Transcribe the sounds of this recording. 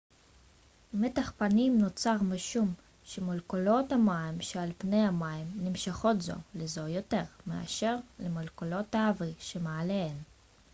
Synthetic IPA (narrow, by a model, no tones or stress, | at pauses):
met̪aχpanimnot͡saʁmeʃum | ʃemolkolo̞thamaimʃealpne̞jamaimnimʃaχo̞tzo̞̰lezo̞jo̞te̞ʁmea̰ʃe̞ʁlemolkolo̞taaviʃemaaleen